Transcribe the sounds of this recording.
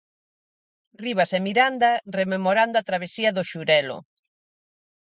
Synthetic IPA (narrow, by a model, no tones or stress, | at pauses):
riβ̞ɐsemiɾand̪ɐrememoɾand̪ʊat̪ɾaβ̞esiɐðʊʃuɾɛlʊ̰